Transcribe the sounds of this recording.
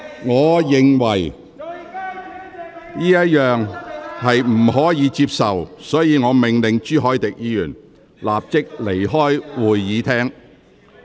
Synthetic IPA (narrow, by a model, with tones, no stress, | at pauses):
ŋɔː˨˧jɪ˨ŋwɐ˨˩j | jiː˥jɐ˥t̚jœː˨ŋhɐ˨jm̩˨˩hɔː˨˥jiː˨˧t͡siː˧p̚sɐ˨wsɔː˨˥jiː˨˧ŋɔː˨˧mɪ˨ŋlɪ˨ŋt͡ʃyː˥ɦɔː˨˥jt̪ɪ˨k̚jiː˨˧jyː˨˩n | laː˨p̚t͡sɪ˥k̚le˨˩jɦɔː˥jwuː˨˩jːiː˨˧t̪ʰɛː˥ŋ